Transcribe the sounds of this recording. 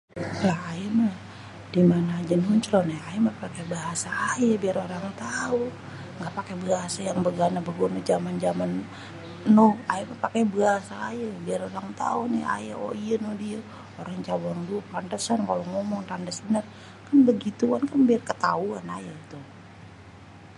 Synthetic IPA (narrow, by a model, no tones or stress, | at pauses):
jaajama | dimanaːd͡ʒanuɲt͡ʃlɔnɛajimapakɛbaɦasaːjabiaɾoɾaŋt̪au | ŋɡapakebəɦasajaŋbəɡanabəɡonad͡ʒamand͡ʒamanː | ɔaimapakɛbəɦasaːjabiaɾoɾaŋt̪a̰unia̰ja̰o̰iənodia | oɾaŋt͡ʃabaŋduapantəsankaloŋomɔŋt̪andasbənar | kanbəɡit̪uankanbiarkət̪auanajait̪u